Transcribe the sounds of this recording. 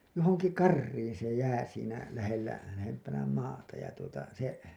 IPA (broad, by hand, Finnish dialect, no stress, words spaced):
johoŋki kɑrːiːn se jæː siːnæ læhelːæ læhempænæ mɑːtɑ jɑ tuotɑ se